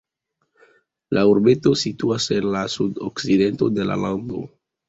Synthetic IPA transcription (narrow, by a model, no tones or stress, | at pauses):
lʔauɾbe̞to̞situase̞nlasudo̰kside̞nto̞de̞la̰lando̞̰